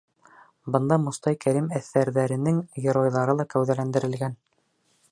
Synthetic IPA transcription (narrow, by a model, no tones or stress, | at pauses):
bɤ̆nd̪ɑmŏst̪ɑjkæɾimæθːæɾðæɾɘ̆nɘŋɡĕɾojðɑɾɤlˠɑkæwðælænd̪ɘ̆ɾɘ̆lɡæn